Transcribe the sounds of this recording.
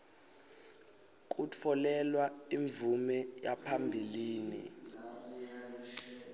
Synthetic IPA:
k̬ʼut͡fʰɔlɛlwaiɱbvumɛjapʰambʱiliːnḭ

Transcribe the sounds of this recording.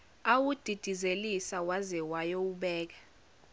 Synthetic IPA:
awud̥ʱid̥ʱizelisawazɛwajɔuɓɛːk̬ḁ

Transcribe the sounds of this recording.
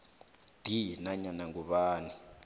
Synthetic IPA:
d̥ʱinaɲanaŋɡuɓaːni

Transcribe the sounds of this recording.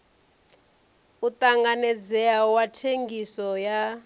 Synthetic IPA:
ut̪aŋɡanɛd͡zɛawatʰeŋɡisɔja

